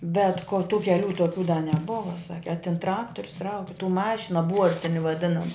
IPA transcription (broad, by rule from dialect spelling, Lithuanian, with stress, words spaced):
bʲɛt koː tuː kʲɛˈlʲuː toːˈkʲuː dɐ nʲɛˈboːʋɐ ˈsɑːkʲɪ ɐ tʲɪn ˈtrɑːktoːrʲʊs ˈtrɐʊkʲɪ tuː ˈmɑːʃʲɪnoː ˈbuɔrʲtʲɪnʲɪ ʋɐˈdʲɪnɐmɐ